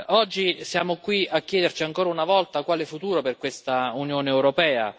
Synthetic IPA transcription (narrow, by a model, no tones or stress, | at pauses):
ɔd͡ʒːisjaːmokwiakːjɛːd̪ert͡ʃiaŋkoːɾaunavɔlt̪akwaːlefut̪uːɾoperkwest̪aunjoːneɛwɾopɛːa̰